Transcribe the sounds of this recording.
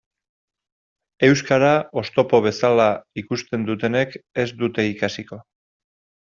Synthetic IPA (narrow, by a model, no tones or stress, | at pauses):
e̞wskaɾao̞st̪o̞po̞β̞e̞salaikust̪e̞nd̪ut̪e̞ne̞ke̞zd̪ut̪e̞ikasiko̞